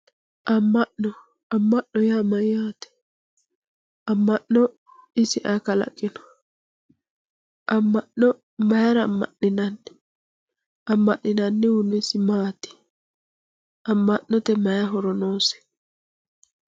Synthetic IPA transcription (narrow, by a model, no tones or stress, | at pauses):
ʔɐmːɐʔnɔ | ɐmːɐʔːɔjamɐjaːt̪ɛ̥ | ʔɐmːɐʔɔ | ɪsɪʔakɐlɐ̰kʼːɪnɔ̥ | ʔɐmːɐʔːɔ | mɐjaɾɐmːɐ̰ʔɪnɐnːɪ | ʔɐmːɐʔɪnɐnːɪwʊnːɛsɪmaːt̪ɪ̥ | ɐmːɐʔːɔt̪ɛmɐjaɦɔɾɔnoːsɛ̥